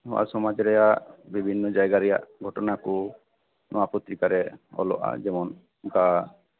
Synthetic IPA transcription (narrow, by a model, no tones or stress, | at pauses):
ɔa̰sɔmad͡ʒɾɛjaʔbibʱinːɔd͡ʒajɡaɾɛja̰ʔɡʱɔʈɔnaku | nʔɔwapɔt̪ːɾikaɾɛɔ̰lɔ̰ʔa̰d͡ʒɛmɔn | ka